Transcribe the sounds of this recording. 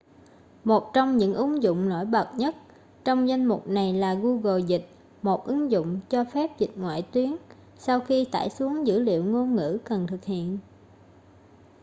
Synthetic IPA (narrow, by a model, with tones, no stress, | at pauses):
mo˨˩t̚t͡ɕɔ˧wŋ͡mɲɨ̰˧˥ŋʔɨ˨˦ŋzʊ̰˧˨ŋ͡mno̰˧˥jɓə˨˩t̚ɲə˦˥t̚ | t͡ɕɔ˧wŋ͡mza˧jnmʊ˨˩k͡p̚na˨˩jlaː˨˩ɣu˧ɣo˨˩zï˨˩k̟̚ | mo˨˩t̚ʔɨ˨˦ŋzʊ̰˧˨ŋ͡mt͡ɕɔ˧fɛ˦˥p̚zï˨˩k̟̚ŋwa̰ː˧˨jt̪wi˨˦ən | sa˧wxi˧t̪a̰ː˧˩jsu˨˦əŋzɨ̰˧˥lḭ˧˨əwŋo˧nŋɨ̰˧˥kə˨˩nt̪ʰɨ˨˩k̚hḭ˧˨ən